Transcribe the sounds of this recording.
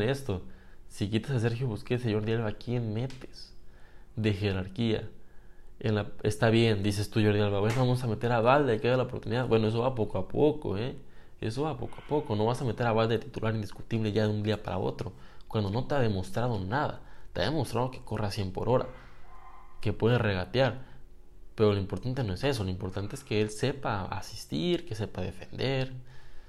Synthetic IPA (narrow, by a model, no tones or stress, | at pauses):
nest̪o̞sikit̪asas̬e̞ɾxjoβuskeseɲo̞ɾðjalβakienme̞t̪e̥s | ðe̞xe̞ɾaɾkia̰ | enlaest̪aβje̞nd̪is̬e̞st̪uʝoɾðjalβaβenβamos̬ame̞t̪e̞ɾaβald̪eajkealaopo̞ɾt̪uniðaðbwenoe̞s̬o̞βapo̞koapʰoko̰e | ḛso̞βapo̞̰koapo̞ko̞no̞βasamet̪eɾaβald̪e̞et̪it̪ulʔaɾind̪isku̥t̪iβleʝaðeund̪iapa̰ɾa̰o̞̰t̪ɾo̞kwand̪o̞no̞t̪e̞aðe̞mo̞st̪ɾað̞o̞naða̰t̪ea̰ðe̞mo̞st̪ɾað̞oke̥ko̞rasjempo̞̰ɾo̞ɾa̰ | ke̞pwe̞ðere̞ɣat̪jaɾ | pe̞ɾo̞loimpo̞ɾt̪ant̪̬e̞no̞e̞se̞s̬oloimpo̞ɾt̪ant̪eeske̞else̞paa̰si̥st̪iɾke̞sepaðe̞̰fe̞nd̪e̞ɾ